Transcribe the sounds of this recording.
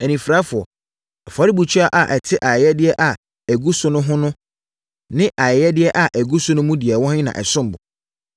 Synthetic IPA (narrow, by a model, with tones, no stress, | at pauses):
ɛ˨nĩ˨fɾaː˨˦fʊ˨ɔ˨ | ɛ˨fa˨ɾi˦bu˨t͡ɕʰᶣɥa˦ʔa˨ʔɛ˨tʰɪ˦ʔa˨ɛ˨jɛ˦dɪ˦ɛ˦ʔa˨ | æ˨ɡu˦sʊ˦nʊ̃˦ɦʊ̃˦nʊ̃˦ | nɪ̃˦ʔa˨ɛ˨jɛ˦dɪ˦ɛ˦ʔa˨ʔæ˨ɡu˦sʊ̃˦nʊ̃˦mũ˦dɪ˨ɛ˨wɔ̃˦hɪ̃˦nã̰˨ʔɛ̰˨sʊ̃˦m˨bʊ˨